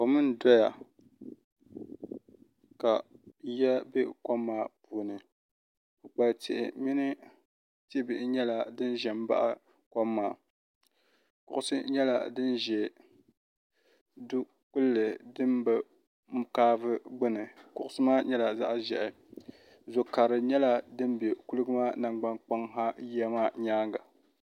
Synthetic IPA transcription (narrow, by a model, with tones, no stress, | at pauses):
o˨mɨ˦n˦dɔ˦ja˨ | ka˨jɛ˦be˦ka˦mːaː˦puː˨nɨ˨ | o˨k͡pa˨ltʰɪ̰˨ʔɪ̰˨mi˦nɨ˦ | ti˦bɨ˨ʔɲɛ˦la˨dɨ˦n˦ʒɛ˨m̩˦ba̰˦ʔa˦ | ka˦mːaː˨ | kʊ˨ʔʊ˦sɨ˦ɲɛ˦la̰˨dɨ˦nʒɛ˨ | du˦ | kʊ˦lːɨ˨dɨ˦mbɨ˦ | m˦kaː˦vɨ˦ɡ͡bɨ˦nɨ˨kʊ˦ʔʊ˦sɨ˦maː˦ɲɛ˦la˨za̰˦ʔʒɛ̰˨ʔɪ˨ | zʊ˨ka˨ɾɨ˨ɲɛ˦la˨dɨ˦m˦be˨ku˦lɨ˦ɡɨ˦maː˦na˨ŋɡ͡ba˦nk͡pa˦ŋɦa˦jɛ˦maː˦ɲaː˦ŋɡa˨